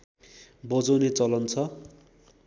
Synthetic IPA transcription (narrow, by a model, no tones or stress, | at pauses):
bʌd͡zʌwnet͡sʌlʌnt͡sʰʌ